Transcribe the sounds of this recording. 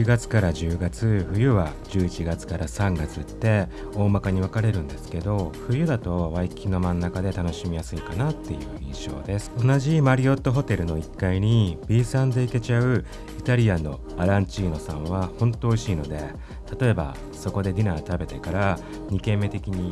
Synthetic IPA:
iɡat͡sɨ̥kaɾaʑɨːɡat͡sɨɸɯ̟jɯ̟βad͡ʑɨːit͡ɕiɡat͡sɨ̥kaɾasãŋɡat͡sɨt̪ːe̞ | o̞ːmakaɲ̟iβakaɾe̞ɾɯ̟̃nd̪e̞sɨ̥ke̞d̪o̞ɸɯ̟jɯ̟d̪at̪o̞βaikʲino̞mãnːakad̪e̞t̪ano̞ɕimʲijasɨikanat̪ːe̞jɯ̟̰ːĩɰ̃ɕo̞̰ːd̪e̞sɨ̥o̞naʑimaɾʲio̞t̪ːo̞ɦo̞t̪e̞ɾɯ̟no̞ikːaiɲ̟ib̥ʲiːsãnd̪e̞ike̞t͡ɕaɯ̟ | it̪aɾʲianːo̞̰ | aɾãɲ̟t͡ɕiːno̞sãɰ̃βahõ̞nt̪o̞ːɕiːno̞d̪e̞ | t̪at̪o̞e̞ba̰ | so̞ko̞d̪e̞d̪ʲinaːt̪abe̞t̪e̞kaɾa | ɲ̟ikẽ̞mːe̞t̪e̞kʲiɲ̟i

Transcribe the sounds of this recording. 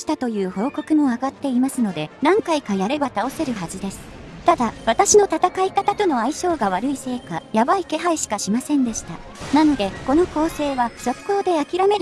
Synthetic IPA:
i̥t̪at̪o̞jɯ̟ːho̞ːko̞kɯ̟mo̞aɡat̪ːe̞imasɨno̞d̪e̞nãŋkaikajaɾe̞bat̪ao̞se̞ɾɯ̟ɦaʑid̪e̞sɨ̥t̪ad̪aβat̪aɕino̞t̪at̪akaikat̪at̪o̞no̞aiɕo̞ːɡaβ̞aɾɯ̟ise̞ːkajabaike̞ɦaiɕi̥kaɕimasẽ̞nd̪e̞ɕi̥t̪a | nano̞d̪e̞ko̞no̞ko̞ːse̞ːβaso̞kːo̞ːd̪e̞akʲiɾameɾ

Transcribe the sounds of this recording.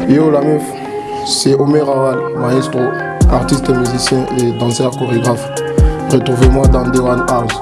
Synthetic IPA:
eolamif | sɛomeʁawal | maʒist̪ʁo | aʁt̪ist̪emyzisjɛ̃ʔed̪ɑ̃sɛʁkoʁeɡʁaf | ʁət̪ʁuvemwad̪ɑ̃d̪ewanal

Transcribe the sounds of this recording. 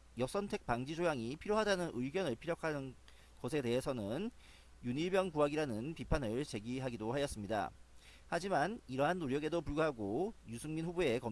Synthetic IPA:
jʌsʰʌntʰe̞k̚paŋd͡ʑid͡ʑojaŋipʰiɾjoɦadanɯnʔɯɡjʌnɯɭpʰiɾjʌkʰanɯn | ɡʌsʰe̞te̞ɦesʰʌnɯn | juniɭbjʌŋpuɦaɡiɾanɯnpipʰanɯɭt͡ɕe̞ɡiɦaɡidohajʌs͈ɯmɲida̰ | had͡ʑimaniɾʌɦanːoɾjʌɡe̞dopuɭɡuɦaɡojusʰuŋminɸubue̞kʌm

